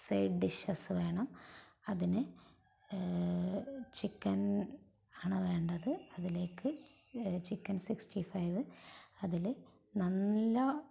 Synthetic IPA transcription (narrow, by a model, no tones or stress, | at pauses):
sejɖɖiʂɐsɨʋe̞ːɳɐmɐðinɨ | t͡ɕikːɐn | aːɳɨʋe̞ːɳɖɐðɨɐðile̞ːkːɨ | t͡ɕikːɐnsiksʈifɐjʋɨɐðil | nɐnːɐ